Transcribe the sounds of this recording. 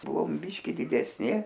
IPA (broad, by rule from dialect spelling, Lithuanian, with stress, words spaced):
ˈbʊʋoːm ˈbʲiːʃʲkʲɪ dʲɪdʲɛsʲˈnʲɪ